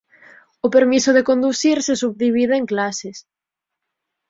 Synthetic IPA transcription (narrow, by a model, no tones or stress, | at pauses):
ʊpeɾmisʊðekond̪uθiɾsesuβ̚ðiβ̞iðeeŋklasɪs